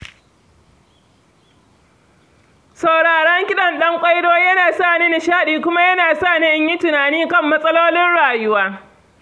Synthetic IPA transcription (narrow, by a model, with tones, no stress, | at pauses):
sɐ˨wɽaː˨ɽɐ˦ŋkʲɪ˦ɗɐ˨nɗɐ˦ŋkʷʼɐ˦jdoː˦jɐ˦naː˨saː˦˨niː˦nɪ˨ʃaː˦ɗiː˨kʷʊ˦ma˦jɐ˦naː˨saː˦˨ni˦ʔɪ˦ɲji˦tʊ˨naː˨niː˦kɐ˦˨mːɐ˦sʼɐ˦loː˦lɪ˦nɽaː˨jʊ˦waː˦